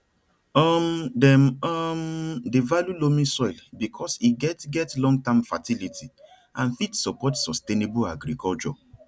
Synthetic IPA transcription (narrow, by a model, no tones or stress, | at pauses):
ɔmdɛmɔmdevaljulomĩsɔɪlbikʰɔsiɡɛtɡɛtlɔ̃ŋɡ̚tãmfatilitʰi | ʔãnfitsɔpɔtsɔstenebuaɡɾikʰɔlt͡ʃɔ̰